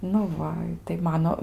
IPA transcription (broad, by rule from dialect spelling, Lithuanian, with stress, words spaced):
nʊ ˈʋɐ tɐɪ ˈmɑːnoː